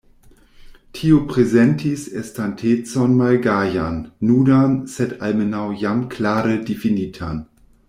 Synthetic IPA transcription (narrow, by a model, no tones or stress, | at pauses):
tʰiopʁ̥ezɛntʰisɛstʰantʰet͡sɔnmalɡaːjanːuːdansɛtʰalmənawjamkʰlaːɾədefiniːtʰan